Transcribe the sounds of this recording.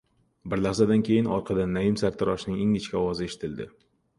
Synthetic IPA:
bɪɾlaχsad̪ankʲʰe̞jɪnɒɾqʰɑd̪anːajɪmsaɾt̪ʰɪɾɒʃnɪŋeŋɪt͡ʃkʲaɒwɒzɪe̞ʃɪ̥t̪ʰɪld̪ɪ̰

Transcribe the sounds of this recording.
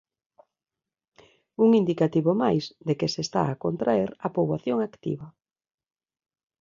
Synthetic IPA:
uŋind̪ikat̪iβomajsd̪ekesest̪a̰akont̪ɾaeɾɐpoβaθjoŋakt̪ḭβɐ

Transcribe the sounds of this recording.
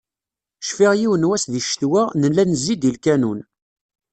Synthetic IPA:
ʃfiʁjiwənwæsðiʃθwænəlːænəzːid̪ilkænun

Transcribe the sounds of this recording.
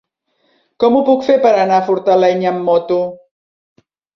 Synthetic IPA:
kɔmupukfepəɾənafuɾt̪əlɛɲəmːɔt̪u

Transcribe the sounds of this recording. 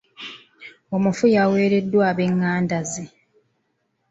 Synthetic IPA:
o̞mufujawe̞ːɾe̞dːwaːβe̞ŋːaːndaze

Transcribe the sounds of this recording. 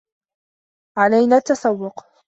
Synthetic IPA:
ʕalajnaːt̪ːɑsawːʊq

